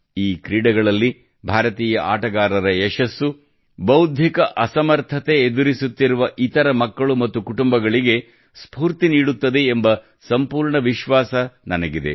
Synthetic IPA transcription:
iːkɾiːɽɐɡɐɭɐlːi | bʱaːɾɐt̪iːjɐʔaːʈɐɡaːɾɐɾɐeʃɐsːu | bɐwd̪ʱjikɐʔɐsɐmɐɾt̪ʰɐt̪e̞ːd̪uɾisut̪ːiɾuʋɐʔit̪ɐɾɐmɐkːɐɭumɐt̪ːukuʈumbɐɡɐɭiɡe̞ | spuːɾt̪iniːɽut̪ːɐd̪e̞ːmbɐ | sɐmpuːɾɳɐʋiʃʋaːsɐnɐnɐɡid̪e̞̰

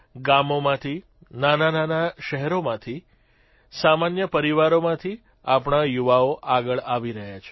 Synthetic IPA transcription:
ɡamomãt̪ʰi | nanananaʃəɦɛɾomãt̪ʰi | samanjəpəɾiʋaɾomãt̪ʰi | apɳ̃ajuʋaoʔaɡəɭaʋiɾəɦjat͡ʃʰe̥

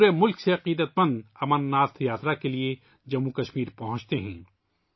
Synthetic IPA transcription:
uɾemʊlkseɐqiːd̪ət̪̚mɐ̃nd̪ɐmənːaːt̪ʰjaːt̪ɾakelie | d͡ʒɐmːukɐʃmiːɾpɐɦʊ̃t͡ʃt̪eɦɛ̃ː

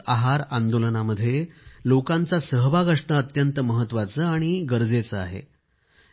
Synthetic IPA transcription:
aɦaɾand̪olənaməd̪ʱːjelokant͡sasəɦʋaɡəʂɳəət̪jənt̪əməɦət̪ːʋat͡səaɽ̃iɡəɾd͡zet͡səa̰ɦḛ

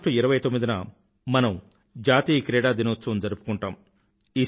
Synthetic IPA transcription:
ʈuiɾɐʋɐjt̪omːid̪inɐ | mɐnɐm | d͡ʒaːt̪iːkɾɛːɽaːd̪inot̪ːt͡ʃːsond͡ʒɐɾupu̥kuɳʈaːm | iː

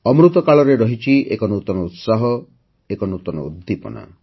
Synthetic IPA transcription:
ɔmɾut̪ɔkaɭɔɾeɾɔɦit͡ʃʰiʔḛkɔnut̪ɔnɔut̪saɦɔ | ekɔnut̪ɔnɔ̰ud̪ʱːipɔ̰na̰

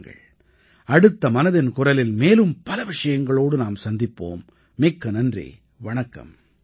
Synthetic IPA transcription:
ŋɡɐ̰ɭ | ɐɽɯt̪ːɐmɐnɐðɪnkʊrɐlɪlmeːlɯmpɐlɐʋɪʂɐjɐŋɡɐɭoːɽɯnaːmsɐnd̪ɪpːo̰ːmː | eːkːɐnɐndrḛː | ʋɐɳɐkːɐ̰m

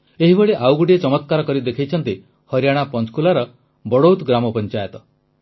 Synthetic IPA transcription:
eɦibeɭeʔawɡuʈiet͡ʃɔmɔt̪̚kaɾɔkɔɾid̪ekʰijt͡ʃʰɔnt̪i | hɔɾjaɽ̃apɔnskulaɾɔ | bɔɽowt̪ɡɾamɔpɔnt͡ʃajɔt̪ɔ

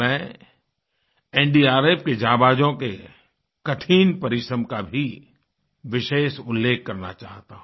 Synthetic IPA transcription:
ɛ̃ː | ɛ̃ːɳɖiaːɾeːpked͡ʒaːbaːd͡ʒõke | kɐʈʰiːnpɐɾɪʃɾə̃mkabʱi | ʋɪʃeːʃʊlːeːkːɐɾna̰t͡ʃa̰ːɦt̪aɦũ

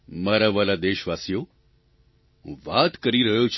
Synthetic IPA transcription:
məɾaʋalad̪eɕʋasjo | ʋat̪kəɾiɾəɦjot͡ɕʰ

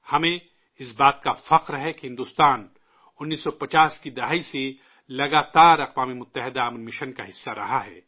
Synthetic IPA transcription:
hɐmẽ | ɪsbaːt̪̚kafɐqɾɦɛkeɦɪ̃nd̪uːst̪aːn | ʊnːiːsːɔpɐt͡ʃaːskid̪ɐɦaːise | lɐɡaːt̪aːɾɐqwaːmimʊt̪ːəɦɪd̪aɐmnmɪʃənkaɦɪsːaɾɐ̰ɦaɦɛ̰ː

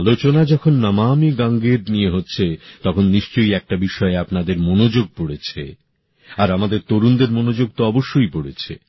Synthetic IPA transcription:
alot͡ɕonad͡ʑɔkʰonːamamiɡaŋɡeɾnijeɦotːɕʰet̪ɔkʰonːiʃt͡ɕojɛk̚ʈabiʃɔeapnad̪eɾmonod͡ʑoɡ̚poɽet͡ɕʰḛ | aɾamad̪eɾt̪oɾund̪eɾmonod͡ʑoɡ̚t̪oɔboʃːojpoɽḛt͡ɕʰḛ

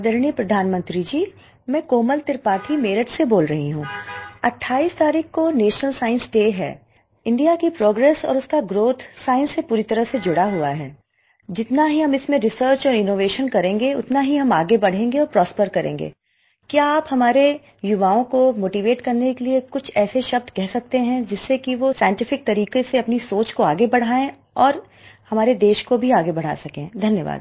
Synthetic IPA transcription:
d̪əɾɳipɾɐd̪ʱaːnmə̃nt̪ɾid͡ʒiː | mɛ̃ːkoːməlt̪ɪɾpaːʈʰimeːɾəʈseboːlɾɐɦiɦũːɐʈʰːaːiːst̪aːɾiːkʰkoneːʃnəlsaːɪ̃nsʈeːɦɛ̰ː | ɪ̃ɳɖijakipɾoːɡɾɛːsɔ̰ːɾʊskaɡɾoːt̪ʰsaːɪ̃nsːepuːɾit̪ɐɾəɦsed͡ʒʊɽaɦuaɦɛ̰ː | d͡ʒɪt̪naɦiɦɐmɪsmẽɾɪsəːɾt͡ʃɔːɾɪnoːʋeːʃənkɐɾẽːŋɡeʊ̰t̪naɦiɦɐmaːɡebɐɽ̤ẽːŋɡeɔːɾpɾɔːspəɾkɐɾʔḛ̃ːŋɡḛː | kjaaːphɐmaːɾe | jʊʋaːõkomoːʈiʋeːʈkɐɾnekeliekʊt͡ʃʰɛːseʃɐb̚d̪kɛɦsɐk̚t̪eɦɛ̃d͡ʒɪsːekiʋosaːɪ̃ɳʈɪfɪk̚t̪ɐɾiːkeseɐpnisoːt͡ʃkoaːɡebɐɽ̤aːẽ | ɔːɾ | hɐmaːɾed̪eːʃkobʱiaːɡebɐɽ̤a̰ːsɐkẽːd̪ʱɐnjəʋa̰ːd̪

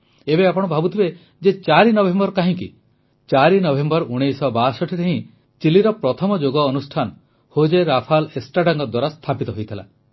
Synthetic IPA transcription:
ebeapɔɽɔbʱabut̪ʰibe | d͡ʒet͡ʃaɾinɔbʱembɔɾkaɦĩkḭ | t͡ʃaɾinɔbʱembɔɾʔuɽ̃ejsɔbasɔʈʰit̪ʰeɦĩ | t͡ʃiliɾɔpɾɔt̪ʰɔmɔd͡ʒoɡɔːnusʈʰanɔ | hod͡ʒeɾapʰalesʈaʈaŋkɔd̪waɾast̪ʰapit̪ɔɦojt̪ʰila̰

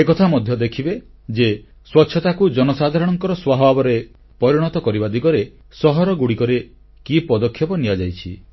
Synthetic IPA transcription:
ekɔt̪ʰamɔd̪ʱjɔd̪ekʰibe | d͡ʒe | swɔtːʃʰɔt̪akud͡ʒɔnɔsad̪ʱaɾɔɽ̃ɔŋkɔɾɔswaɦɔbabɔɾe | pɔɾiɽ̃ɔt̪ɔkɔɾibad̪ikɔɾe | sɔɦɔɾɔɡuɽikɔɾe | kipɔd̪ɔkʰːjɔpɔnijad͡ʒajt͡ʃʰi

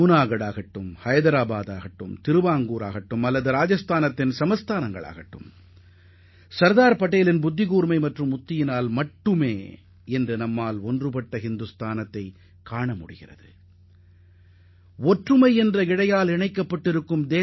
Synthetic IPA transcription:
uːnaːɣɐɽaːɣɐʈːɯmhɐjɐðɐɾaːbaːðaːɣɐʈːɯmt̪ɪɾɯʋaːŋɡuːɾa̰ːɣɐʈːɯmɐlːɐðɯɾaːd͡ʒɐst̪aːnɐt̪ːɪnsɐmɐst̪aːnɐŋɡɐ̰ɭa̰ːɣɐʈːɯ̰m | sɐɾðaːɾpɐʈːeːlɪnbʊd̪ʱːɪɣuːɾmɐɪmɐʈrɯmʊt̪ːɪjɪnaːlmɐʈːɯmeː | ɛndrɯnɐmːaːlɔndrɯpɐʈːɐɦɪnd̪ɯst̪ʰaːnɐt̪ːɐɪ | kːaːɳɐmʊɽɪ̰ɣɪrɐ̰ðɯ | ɔʈrɯmɐɪɛndrɐɪɽɐjaːlɪɳɐɪkːɐpːɐʈːɪɾɯkːɯmd̪eː

